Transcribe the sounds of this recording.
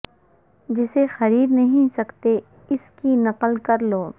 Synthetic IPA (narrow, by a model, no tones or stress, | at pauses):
d͡ʒɪsexɐɾiːd̪nɐɦĩsɐkt̪e | ɪskinɐqəlkɐɾloː